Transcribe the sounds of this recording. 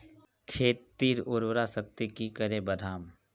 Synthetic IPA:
kʰeːt̪ːiːɾʊɾwɾasək̚t̪ikikəɾẽbəd̪ʱaːm

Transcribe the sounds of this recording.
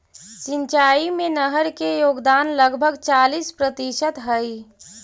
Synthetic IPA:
sɪ̃ɲt͡ʃaːimẽnəɦəɾkejoːɡd̪aːnləɡbʱəɡt͡ʃaːlispɾət̪iʃət̪ɦəi

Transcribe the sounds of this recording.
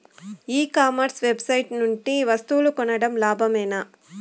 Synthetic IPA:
iːkaːmɐɾsʋe̞bsɐjʈnuɳʈiʋɐst̪ulukɔnɐɽɐmlaːbʱɐmɛːna

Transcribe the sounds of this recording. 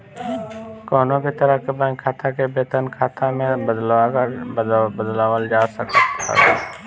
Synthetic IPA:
koːnõkit̪əɾəkəbə̃kʰaːt̪ʰakebeːt̪ənkʰaːt̪ʰãmẽbəd̪lakɾəbəd̪laːʋəld͡ʒaːsəkəə̰

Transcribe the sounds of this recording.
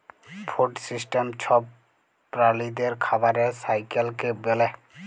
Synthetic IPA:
pʰoʈsisʈemt͡ʃʰɔb | pːɾalid̪eɾkʰabaɾesajkelkebelɛ

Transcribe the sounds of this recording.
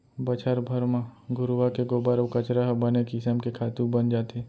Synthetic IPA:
bət͡ʃʰəɾbʱəɾmãɡʊɾʋakeɡoːbaɾkət͡ʃɾaɦbɐnekɪsəmkekʰaːt̪ũbənd͡ʒaːt̪e

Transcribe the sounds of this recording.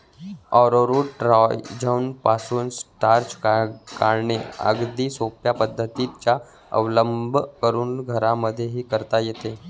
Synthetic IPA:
ɔɾoɾuʈɾɔjd͡ʑʱaunpasuːnsʈaɾt͡ɕkaɾɳeə̰ɡd̪iːsopjapəd̪ʱːət̪it͡ɕja | ə̰ʋləmbʱkəɾuːnɡʱəɾaməd̪ʱːjeɦiːkəɾt̪ajet̪e

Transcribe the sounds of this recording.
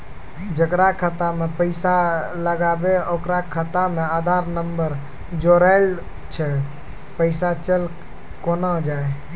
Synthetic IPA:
d͡ʒəkɾakʰət̪amepəɪsaləɡabeokɾakʰət̪amead̪ʱaɾnəmbəɾ | d͡ʒoɾaɪl | t͡ʃʰɛ | pəɪsat͡ʃəl | konəd͡ʒae

